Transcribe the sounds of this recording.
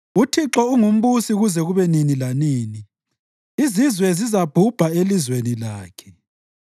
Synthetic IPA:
utʰiǁɔuŋum̩βusiɣuzɛɣuβɛninilaniːni | izizwɛzizab̥ʱub̥ʱaelizwenilaːkʰɛ̥

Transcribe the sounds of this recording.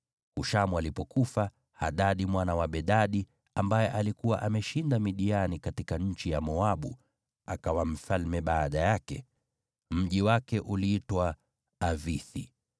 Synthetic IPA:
huʃamualipɔkufa | haɗaɗimwanawaɓɛɗaɗi | ambajɛʔalikuwa̰ʔamɛʃindamiɗianikatikaɲ̩t͡ʃijamɔaɓu | akawam̩falmɛɓaːɗajakɛ̰ | m̩ʄiwakɛʔuliitwaː | viθḭ

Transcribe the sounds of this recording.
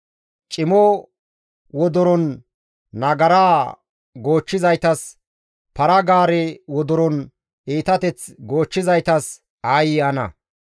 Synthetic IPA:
t͡ʃʼɪmɔ | wɔd̪ɔɾɔnː | ɐɡɐɾaː | ɡo̞ːt͡ʃːɪzɐjt̪ɐs | pɐɾɐɡaːɾɛwɔd̪ɔɾɔn | iːt̪ɐt̪ɛt͡sɡo̞ːt͡ʃːɪzɐjt̪ɐs | aːjɪɐnɐ̰

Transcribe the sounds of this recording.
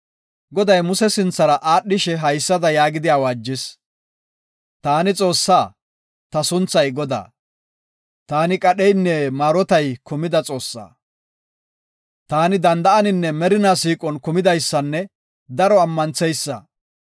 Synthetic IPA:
ɡɔd̪ɐjmʊsɛsɪnt͡sːɐɾɐʔaːɗːɪʃɛɦɐjsːɐd̪ɐjaːɡɪd̪ɪjaːwaːd͡ʒːɪs | t̪aːnɪt͡sʼo̞ːsːaː | t̪ɐsʊnt͡sːɐjɡɔd̪a̰ː | t̪aːnɪkʼɐɗɛjnːɛmaːɾɔt̪ɐjkʊmɪd̪ɐt͡sʼo̞ːsːa̰ː | t̪aːnɪd̪ɐnd̪ɐʔɐnɪnːɛmɛɾɪnaːsiːkʼɔnkʊmɪd̪ɐjsːɐnːɛ | d̪ɐɾɔɐmːɐnt͡sɛjsːɐ̰

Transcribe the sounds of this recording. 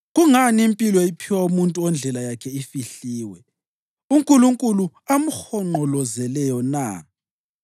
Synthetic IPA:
ɣuŋaniimpʼilɔipʰiwaumuntʼuɔnd͡ɮʱɛlajakʰɛifiɬiːwɛ | uŋkʼuluŋkʼulu | amuxɔŋ͡ǃɔlɔzɛlɛjɔna̰

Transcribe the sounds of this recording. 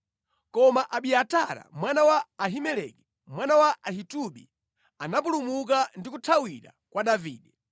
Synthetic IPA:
kɔmaʔaɓiataɾa̰mwanawaːɦimɛlɛ̰kɛ | mwanawaʔahituɓḭ | anap̬ulumuk̬andikutʰawiɾa̰ | kwaɗaviːɗɛ

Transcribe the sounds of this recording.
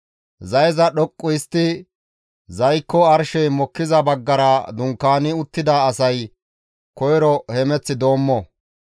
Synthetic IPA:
zɐjzɐɗɔkʼːʊjɪst̪ːɪ | zɐjkːɔɐɾʃɛjmɔkːɪzɐbɐɡːɐɾɐd̪ʊŋkːaːnɪʊt̪ːɪd̪aːsɐj | kɔjɾɔhɛmɛt͡sːɪd̪o̞ːmːɔ

